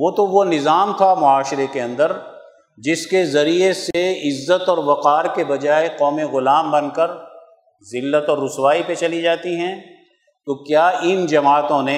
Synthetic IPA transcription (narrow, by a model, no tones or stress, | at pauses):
ʋoːt̪oʋonɪzaːmt̪ʰamʊaːʃɪɾekeɐ̃nd̪əɾ | d͡ʒɪskezɐɾieseɪzːət̪ɔːɾʋɐqaːɾkebɐd͡ʒaːeqɔːmeɣʊlaːmbɐ̃nkəɾ | zɪlːət̪ɔːɾːʊswaːipet͡ʃɐlid͡ʒaːt̪iɦɛ̃ː | t̪okjaːɪnd͡ʒɐmaːt̪õnẽ